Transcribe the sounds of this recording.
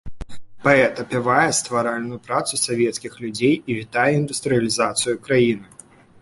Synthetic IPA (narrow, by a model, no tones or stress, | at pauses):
paɛt̪ɐpʲivajɛst̪vaɾalʲnʊjʊpɾat̪susʲavʲɛt̪skʲixlʲud͡zʲejivʲit̪ajɛind̪ust̪ɾɨjɐlʲizat̪sɨjukɾajinɨ